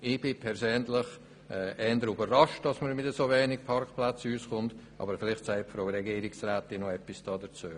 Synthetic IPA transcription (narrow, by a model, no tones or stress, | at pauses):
ɪb̥ɪpʰɛɾsøːnlɪχ | ɛɛːndəɾybərːɑʃt̚dɑsməɾmɪtdəsovɛːnɪk̚pʰɑrkplat͡syːsχʊntʔɑ̰ːbəɾfɪlɪχtsaɪpfɾoːɾɛɡiːɾɪksrɛːtɪnoɛpːisd̥ɑːdət͡su